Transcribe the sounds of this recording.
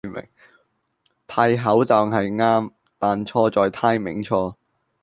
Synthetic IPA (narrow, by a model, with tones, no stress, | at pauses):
mɪ̰˨˩ŋ | t̪ʰaː˧jɦɐ˨˥wt͡saː˨˩ŋɦɐ˨jŋaː˥m | t̪aː˨˩nt͡ʃʰɔː˧t͡sɔː˨jt̪ʰaː˧jmɪ̰˨˩ŋt͡ʃʰɔː˧